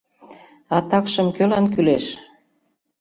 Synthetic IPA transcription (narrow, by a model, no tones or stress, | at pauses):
ɑt̪ɑkʃəmkølɑnkyleʃ